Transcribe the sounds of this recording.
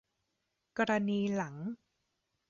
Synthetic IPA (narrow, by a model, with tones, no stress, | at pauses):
ka˧ɾa˧niː˧la˩˦ŋ